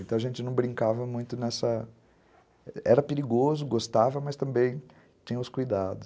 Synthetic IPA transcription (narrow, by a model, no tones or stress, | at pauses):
ẽt̪ɐ̃w̃ɐʒẽnt͡ʃɪnɐ̃w̃bɾĩŋkavɐmũj̃t̪ʊnɛsɐ | ɛɾɐpeɾiɡozʊɡost̪avɐmɐst̪ɐ̃mbẽj̃ | t͡ʃĩɲɐʊskujd̪ad̪ʊs